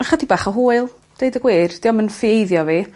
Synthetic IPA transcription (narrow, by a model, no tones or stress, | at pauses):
aχədibaːχəɦuːɨlˠ | d̥ejdəɡwɪːrd̥iːɔmənfiejðjɔvi